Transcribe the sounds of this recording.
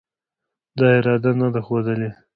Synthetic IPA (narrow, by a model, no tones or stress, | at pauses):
d̪ɑɪɾɑd̪anad̪axod̪əle